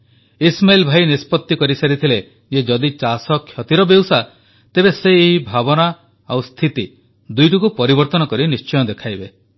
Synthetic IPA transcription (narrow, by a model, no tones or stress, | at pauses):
ismajlbʱajnispɔt̪ːikɔɾisaɾit̪ʰile | d͡ʒed͡ʒɔd̪it͡ʃasɔkʰːjɔt̪iɾɔbewsa | t̪ebeseːɦibʱabɔna | awst̪ʰit̪i | d̪ujʈukupɔɾibɔɾt̪ɔnɔkɔɾinist͡ʃɔjɔd̪ekʰajbe